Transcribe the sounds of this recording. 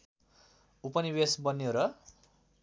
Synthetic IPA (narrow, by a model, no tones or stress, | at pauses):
upʌnibesbʌnːoɾʌ